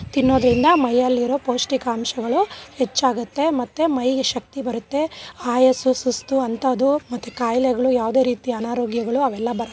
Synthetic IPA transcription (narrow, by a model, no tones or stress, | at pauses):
t̪inːo̞ːd̪ɐɾind̪ɐmɐjːɐlːiɾo̞ːpoːsʈikaːmʃɐɡɐɭuhet͡ʃːaːɡut̪ːe̞mɐt̪ːemɐjɡeʃɐk̚t̪ibɐɾut̪ːe̞aːjɐsusust̪uɐnt̪ʰɐːd̪umɐt̪ːukaːjlɛɡɐɭujaːʋd̪e̞ːɾiːt̪iɐnaːɾoːɡjɐɡɐɭuɐʋɛlːɐbɐɾɐ